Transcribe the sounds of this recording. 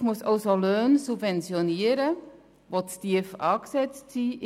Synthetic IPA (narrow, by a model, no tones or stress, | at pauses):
musɑʊsoløːnsupvɛnt͡sjoniːəɾə | ʋotstiəfʔɑːksɛt͡stsiːʔ